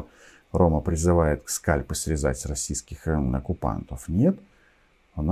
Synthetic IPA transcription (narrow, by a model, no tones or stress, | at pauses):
ro̞məpɾʲɪzɨvajɪt̪kskalʲpəsʲvʲɪzatʲrɐsʲijskʲɪxnɐkʊpa̰nt̪əfnʲe̞t̪ | ɐn